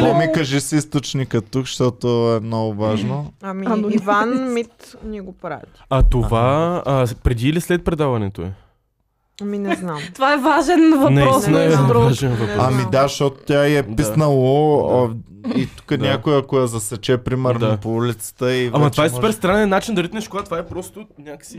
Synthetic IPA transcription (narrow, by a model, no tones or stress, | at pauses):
pɔmikɐʒisist̪ot͡ʃnikət̪ːukʃt̪ɔt̪oɛmnɔɡʊvaʒnoɐmiivanmit̪nʲiɡopɾa̰ | ɐt̪ovaəpɾɛd̪iːlislɛt̪̚pɾɛd̪avɐnɛt̪oɛ̰ | ɐminɛznamtt̪ovaɛvaʒɛnvɐnɐiit̪inɐɛɾɔvaʒɛnvɐpamid̪aʃt̪ɔt̪o̥t̪ʲaiɛp̪isnəlˠo | it̪u̥kənʲjakojɐkojɐzɐsɛt͡ʃɛpɾimɛɾnapoulit̪sə̥t̪əiamɐt̪ovaɛspɛɾst̪ɾanɛnːat͡ʃind̪ɐɾit̪ʲnɛʃkoɡat̪ovaɛpɾɔst̪onʲakə̥si